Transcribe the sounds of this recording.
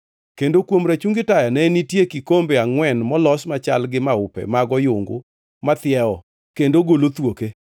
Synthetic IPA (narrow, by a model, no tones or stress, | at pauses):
kendokwomɾat͡ʃuŋɡɪtajanɛnitjekikombeaŋwɛnmɔlɔsmat͡ʃalɡɪmaʊpɛ̰maɡɔjʊŋɡʊ̰ | mat̪ɪjɛɔ | kendoɡolot̪woke